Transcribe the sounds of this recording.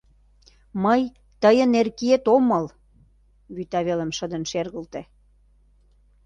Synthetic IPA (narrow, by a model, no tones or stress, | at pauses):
məj | t̪əjə̆nerkiet̪omɤl | βyt̪ɑβelə̆mʃə̆d̪ə̆nʃerɣə̆lt̪ĕ